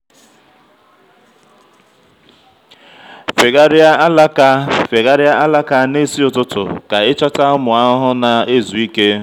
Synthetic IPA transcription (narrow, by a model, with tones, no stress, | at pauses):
fe˨ɡa˦ɾa˦la˦ka˦fe˨ɣa˦ɾɪ˦a˦ʔa˦la˦ka˦ne˦si˦ʊ˦tʊ˦tʊ̰˨ka˨ɪ˦t͡ʃɔ˦ta˦mʊ˨a˦ɦʊ˦na˨e˦zu˨i˦ke˦